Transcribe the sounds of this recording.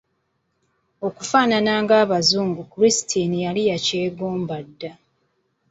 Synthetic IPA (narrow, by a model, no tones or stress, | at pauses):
o̞kufaːnanaːŋɡaːβazuːŋɡukuɾisi̥tʰinijalijace̞ːɡoːmbadːa